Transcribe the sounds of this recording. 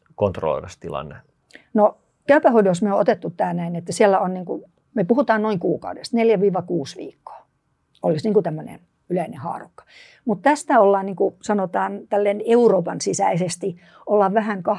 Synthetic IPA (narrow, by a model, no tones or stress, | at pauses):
kont̪ro̰lo̰ʋɑst̪ilɑ̰nːe | no | kæypæhoidosmeoot̪et̪ːut̪ːæːnæinet̪ːæsiælːæonniːŋku | mepuhut̪ɑːnnoiŋkuːkɑ̰udest̪neljæʋiːʋɑkuːsʋḭːkːo̥ː | olisniːŋkut̪æmːønḛn | yleinehɑ̰ːrokːɑ̥ | mut̪t̪æst̪æolːɑːnniːŋkusɑnot̪ɑːnt̪ælːeneuroːpɑnsisæisest̪i | olːɑʋʋæhæŋkɑ